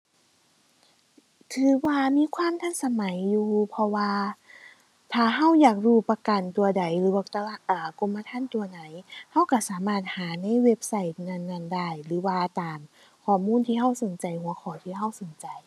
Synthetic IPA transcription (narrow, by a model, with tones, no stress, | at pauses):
t̪ʰɯː˨˦waː˧miː˧˥˨kʰwaː˧˥˨mt̪ʰa˧˥˨nsa˧ma˨˩˦jːuː˧pʰɔ˧waː˧ | t̪ʰaː˧˩ɦa˧˥˩wjaː˨˩k̚ɾuː˧˩pa˧ka˨˩nt̪u˨˧ɐda˨˩jlɯː˨˦waː˧t̪a˧la˧˩ʔaː˨˩ko˧˨mːa˧t̪ʰaː˧˥˨nt̪u˧ɐna˨˩˦jha˧˥˨wka˧˩saː˨˦maː˧˩t̪̚haː˩˦na˧˥˨jwe˧p̚sa˧˩jt̪̚na˧˨nːa˧˩˨nda˧˥˩jlɯː˨˩˦waː˧t̪aː˨m | kʰɔː˧˩muː˧˥˨nt̪ʰiː˧ɦa˧˥˩wso˨˦nt͡ɕa˨˩jhu˨˩˦ɐkʰɔː˨˦t̪ʰiː˧˩ɦa˧˩wso˨˦nt͡ɕa˨˩j